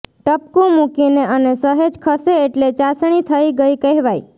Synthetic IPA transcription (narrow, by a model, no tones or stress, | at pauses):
ʈəp̚kũmukineənesəɦed͡ʒkʰəseːʈlet͡ʃasɳ̃it̪ʰəiɡəikəɦʋaj